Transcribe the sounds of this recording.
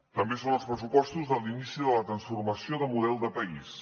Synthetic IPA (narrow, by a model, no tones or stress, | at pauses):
t̪əmbesonəlˠspɾəsupɔst̪uzðəlˠinisiðələt̪ɾənsfurməsioðəmuðɛlˠd̪əpəis